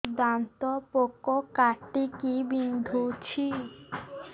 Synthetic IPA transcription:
d̪ant̪ɔpokɔkaʈikibind̪ʱut͡ʃʰi

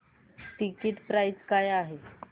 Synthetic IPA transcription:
ʈikiʈpɾajskajaɦe

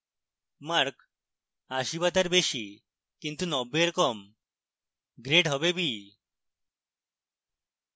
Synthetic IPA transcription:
maɾk | aɕibat̪aɾbeɕi | kint̪unɔbeɾkɔm | ɡɾeʈɦɔbebi

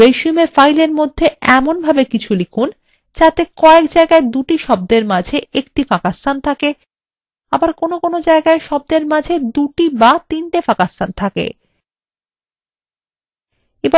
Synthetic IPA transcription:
eʃumefajleɾmod̪ʱːeɛmonbʱabekit͡ɕʰulikʰun | t͡ɕat̪ekɔekd͡ʑaeɡaed̪uʈiʃɔb̚d̪eɾmad͡ʑʱeʔek̚ʈifakasant̪ʰake | abaɾkonokonod͡ʑaeɡaeʃɔb̚d̪eɾmad͡ʑʱed̪uʈibat̪inʈefakasant̪ʰakḛ | eba

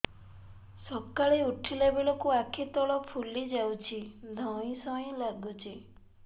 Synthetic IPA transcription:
sɔkaɭiuʈʰilebeɭɔkuakʰit̪ɔɭɔpʰulid͡ʒawt͡ʃʰid̪ʱɔ̃ĩsɔĩlaɡut͡ʃʰi

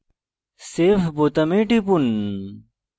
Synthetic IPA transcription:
sefbot̪ɐmẽːʈipun

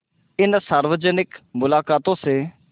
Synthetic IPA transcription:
ɪnsəɾʋəd͡ʒənɪkmʊlaːkaːt̪õseː

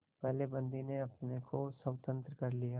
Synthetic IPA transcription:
pɛɦlebɐ̃nd̪ineɐpnekʰosɐwt̪ə̃nt̪ɾəkɐɾlijaː

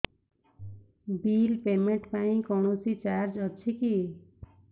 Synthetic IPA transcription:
bilpeɾmeɳʈpaĩkɔñosit͡ʃaɾd͡ʒʌt͡ʃʰiki

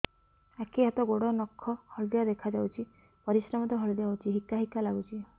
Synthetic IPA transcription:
akʰiɦat̪ɔɡoɽɔnɔkʰːɔhɔɭd̪jad̪ekʰad͡ʒawt͡ʃʰi | pɔɾisɾɔmɔt̪ɔɦɔɭd̪jaɦwt͡ʃʰiɦikːaɦikːalaɡut͡ʃʰi

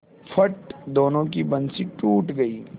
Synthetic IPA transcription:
fʰɐʈd̪oːnõkibɐnsiʈuːʈɡɐiː

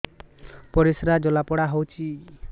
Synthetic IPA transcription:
pɔɾisɾad͡ʒɔlapɔɽaɦɔwt͡ʃʰi

